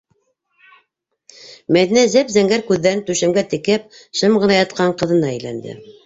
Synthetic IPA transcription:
mæðinæzæpzæŋɡæɾkʉðːæɾɘnt̪ʉʃæmɡæt̪ɘ̆kɘp̚ʃɤmɢɤ̆nɑjɑt̪̚qɑɴqɤ̆ðɤ̆nɑæjlæ̰nd̪ɘ̰

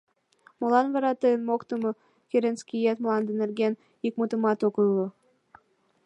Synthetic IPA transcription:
molˠɑnβɑɾɑt̪eənmokt̪əmɤ | kʲeɾʲenskʲijet̪molˠɑnd̪ə̆nɘ̆rɡʲen | ikmut̪ə̆mɑt̪okɯlːo

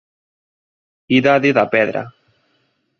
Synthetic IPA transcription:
iðaðiðapɛðɾa̰

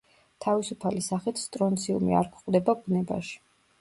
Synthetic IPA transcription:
t̪ʰavisupʰalisaχit̪ʰst̪ʼɾɔnt̪sʰiṵmḭa̰ɾkʷʰχʼd̪ɛbaɡunɛba̰ʃi̥

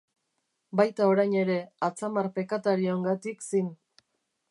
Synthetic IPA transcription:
bajt̪ao̞ɾajɲe̞ɾe̞at͡samaɾpe̞kat̪aɾioŋɡat̪iksin

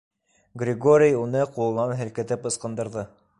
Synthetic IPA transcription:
ɡrʲɪɡoɾʲijunɤqulˠnɑnɦɘ̆lkɘ̆t̪ɘpɤ̆sqɤ̆nd̪ɤ̆ɾðɤ

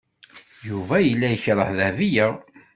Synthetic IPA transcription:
juvæjəlːæjəçɾˤə̰ħðævijə

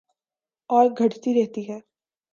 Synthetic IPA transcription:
ɔːɾɡʱɐʈt̪iɾɛɦt̪iɦɛː

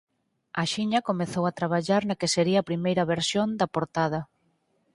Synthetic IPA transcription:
aʃiɲɐkomeθowat̪ɾaβ̞aʎaɾnɐkeseɾiɐapɾimejɾɐβeɾsjond̪ɐpoɾt̪aðɐ

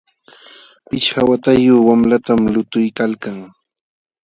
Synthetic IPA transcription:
pɪt͡ʃhawat̪ajʊːwamlat̪amlʊt̪ʊjkalkaŋ

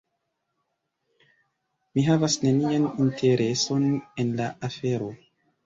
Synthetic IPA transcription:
miɦavasne̞nianintʰe̞ɾʔe̞so̞ne̞nlaʔafe̞ɾo̞

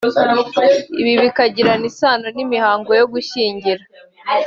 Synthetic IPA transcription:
iβiβikaɟiɾanisaːno̞nimihaːŋɡo̞jo̞ɡuʃiːɲɟiɾa

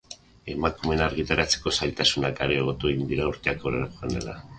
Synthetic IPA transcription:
e̞makume̞naɾɣit̪aɾat͡seko̞sajt̪asunakaɾeːɣ̞o̞t̪ueɣind̪iɾauɾt̪e̞akoɾeɾapoɣanḛla̰

